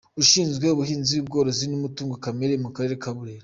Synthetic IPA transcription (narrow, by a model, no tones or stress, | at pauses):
uʃiːnzɡwe̞uβuhiːnziubɡo̞ːɾo̞zinumutuːŋɡokameɾemukaɾe̞ɾekaβuɾeːɾo